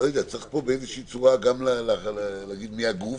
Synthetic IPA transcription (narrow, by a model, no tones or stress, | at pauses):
ojod̪eat͡saeχpo̞beezeʃiit͡suʁaɡamlalallaɡid̪miaɡu